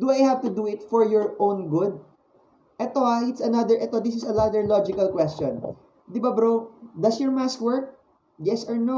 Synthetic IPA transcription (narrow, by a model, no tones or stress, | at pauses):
d̪ʊajhavt̪ʊd̪uɪt̪fɔɹjɔɹʔõwnɡʊd̪̚ | ʔɛt̪oaʔɪt̪sɐnad̪əɹʔɛt̪od̪isɪsɐlad̪əɹlɔd͡ʒɪkɐlkwɛst͡ʃɔ̃n | d̪ɪbabɾod̪ɐsjɔɹmaskwəɹk̚ | jɛsɔɹno